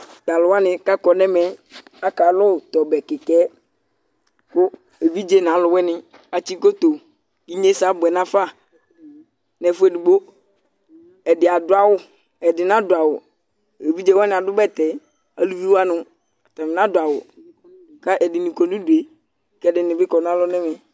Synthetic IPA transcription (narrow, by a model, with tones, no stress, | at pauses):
da˨lʊ˨wa˦nɪ̃˨ka˦kɔ˨nɛ˦mɛ˨a˦ka˨lʊ˦˨t̪ɔ˨bɛ˨kɪ˨kɛ˦ | kʊ˦ | e˨vi˦d͡ʒe˦n˨ã˨˦lʊ˨˦wɛ˦nɪ̃˨ | a˨t͡ʃi˦ko˦t̪o˨ | ki˦ɲe˦sa˨˦bʊ˨ɛ˨nã˦fa˦˨ | nɛ˨fʊ˦ɛ˨du˨ɡ͡bo˦ | ɛ˨dɪ˨a˨dʊ˦a˦wʊ˦ | ɛ˨dɪ˨nã˦dʊ˨a˨wʊ˨ | e˨vi˦d͡ʒe˦wa˦nɪ̃˨a˨dʊ˦bɛ˦t̪ɛ˨ | a̰˨lu˦vi˦wa˦nʊ̃˨ | a˨ta˨mɪ˨nã˦dʊ˨a˨wʊ̰˨ | ka˦ʔɛ˨dɪ˨nĩ˨kɔ˨nũ˦du˨e˨ | kɛ˦dɪ˨nɪ̃˨bɪ˦kɔ˨nã˦lɔ˦nɛ˦mɛ˨